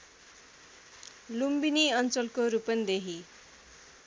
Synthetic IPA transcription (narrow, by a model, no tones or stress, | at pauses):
lumbiniʌnt͡sʌlkoɾupʌnd̪eɦi